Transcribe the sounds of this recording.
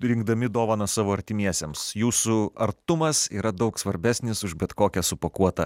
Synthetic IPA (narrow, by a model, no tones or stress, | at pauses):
ɾʲɪŋɡ̚d̪ɐmʲɪd̪oːʋɐnɐsɑːʋoːɐɾʲt̪ʲɪmʲiɛsʲemsjuːsʊɐɾt̪ʊmɐsiːɾɐd̪ɒʊksʋɐɾʲbʲæːsʲnʲɪsʊʒbʲɛt̪koːkʲɛsʊpokuɔt̪ɐ